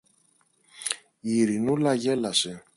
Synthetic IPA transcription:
iɾinulɐʝe̞lɐse

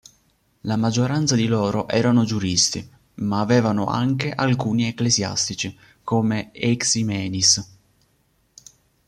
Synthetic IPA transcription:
lamad͡ʒːoɾant̪sad̪iloːɾoʔɛːɾanod͡ʒuɾist̪i | maːvɛːvano̰ʔa̰ŋkeʔalkuːnieklezja̰st̪it͡ʃi | koːmeɛksimɛːnis

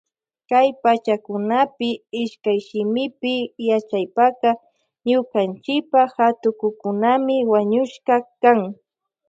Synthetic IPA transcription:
kajpat͡ʃakʊnapɪɪʃkajʃɪmɪpɪjat͡ʃajpaqɑ | ɲʊkant͡ʃɪk̚pahat̪ʊkʊkʊnamɪwaɲʊʃkɑkaŋ

